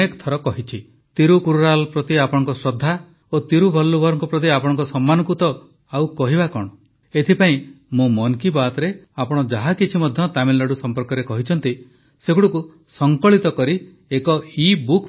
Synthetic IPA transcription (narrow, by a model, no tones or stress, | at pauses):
ekɔ̥t̪ʰɔɾɔkɔɦit͡ʃʰi | t̪iɾukuɾuɾalpɾɔt̪iapɔɽ̃ɔŋkɔsɾɔd̪ʱːa | ot̪iɾubʱɔlːubʱɔɾɔŋkupɾɔt̪iapɔɽɔ̃ŋkɔsɔmːanɔŋkut̪ɔ | awkɔɦibakɔɽ̃ɔ | et̪ʰipaĩ | mũmɔnkibat̪ɔɾeapɔɽ̃ɔd͡ʒaɦakit͡ʃʰimɔd̪ʱjɔt̪amillaɽusɔmpɔɾkɔɾekɔɦit͡ʃʰɔnt̪i | seɡuɽuku | sɔŋkɔɭit̪ɔkɔɾi | ekɔibuk